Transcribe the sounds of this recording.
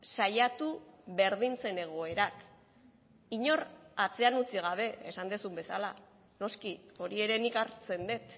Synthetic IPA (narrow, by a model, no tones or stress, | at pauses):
sajat̪uβe̞ɾð̞int͡se̞ne̞ɣ̞o̞e̞ɾak | iɲo̞ɾat͡se̞anut͡siɣ̞aβ̞e̞ːsand̪esumbe̞sala | no̞skio̞ɾie̞ɾe̞nikaɾt͡se̞nd̪e̞t̪